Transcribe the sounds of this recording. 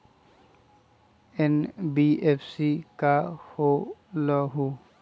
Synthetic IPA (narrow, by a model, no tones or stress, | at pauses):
enbiepʰsikaholɔɦu